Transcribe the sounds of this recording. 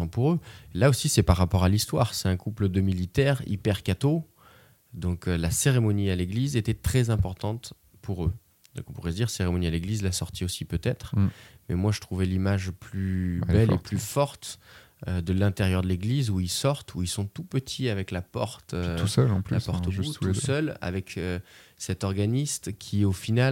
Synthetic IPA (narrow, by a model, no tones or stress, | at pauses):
ɑ̃puʁølaosisɛpaʁːapɔʁalist̪waʁsɛt̪ɛ̃kupləd̪əmilit̪ɛʁḭpɛʁkat̪o | d̪ɔ̃klaseʁemɔnialeɡlizet̪ɛt̪χɛzɛ̃pɔʁt̪ɑ̃t̪ | pʰuʁø | d̪ɔ̰̃kɔ̃puʁɛd̪iʁseʁemɔnialeɡlizlasɔʁt̪ʰiosipøt̪ɛt̪χmɛmwaʒət̪χuvɛlimaʒplybɛlḛplyfɔʁt̪ | ød̪əlɛ̃t̪eʁjœʁd̪əleɡlizuilsɔʁt̪ʰuilsɔ̃t̪upət̪ʰiavɛklapɔʁt̪øsœlɑ̃plylapɔʁt̪əuusœla̰vɛkøsɛt̪ɔʁɡanist̪kʲʰiofinal